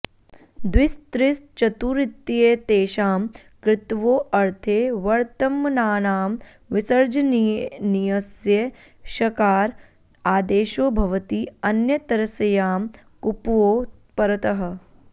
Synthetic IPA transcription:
d̪wɪst̪ɾɪst͡ʃɐt̪uɾɪt̪ːijet̪eːʃaːm | kɾɪt̪ʋoːʔɐɾt̪ʰeːʋɐɾt̪ɐmːɐnaːnaːm | ʋɪsɐɾd͡ʒɐnnijɐsjɐ | ʃɐkaːɾ | aːd̪eːʃoːbʱɐʋɐt̪iːɐnjɐt̪ɐɾɐsɐjaːm | kupʋoː | pɐɾɐt̪ɐɦɐ̆

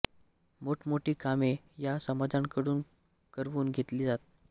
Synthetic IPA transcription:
moʈʰmoʈiːkame | jasəmad͡zaŋkəɽuːn | kəɾʋuːnɡʱet̪liːd͡zat̪̚

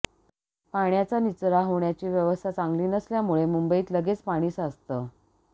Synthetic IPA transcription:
paɳjat͡sanit͡sɾaɦoɳjat͡ɕiːʋjəʋəst̪ʰat͡saŋɡliːnəsljamuɭemumbəiːt̪ləɡet͡spaɽ̃iːsəst̪əː

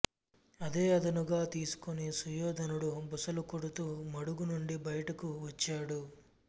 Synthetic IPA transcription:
ɐd̪e̞ːɐd̪ɐnuɡaːt̪iːsu̥konisujɔːd̪ʱɐnuɽubusɐlukoɽut̪uːmɐɽuɡunuɳɖibɐjɐʈɐkuʋɐt͡ʃːaːɽu

